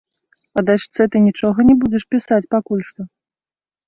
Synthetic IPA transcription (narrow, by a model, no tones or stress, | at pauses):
ɐd̪aʂt̪sɛt̪ɨnʲit͡ʂɔɣɐnʲɛbud͡zʲɛʂpʲisat͡sʲpakulʲʂt̪ɔ